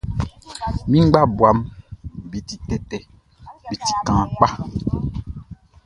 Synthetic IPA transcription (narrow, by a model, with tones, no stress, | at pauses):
mĩ˦ŋ͡mɡ͡ba˦bwa˨˦mbi˨ti˨tɛ˦tɛ˨ | bi˨ti̥˨kãː˨˦k͡pa˦